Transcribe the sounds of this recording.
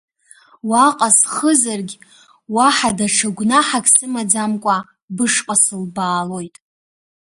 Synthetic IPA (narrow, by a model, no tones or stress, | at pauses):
waqʼasχəzarɡʲ | waħadaʈ͡ʂʰaɡʷnaħakʲʼsɨmad͡zamkʷʼa | bɨʂqʼasɨlbaːlo̞jtʼ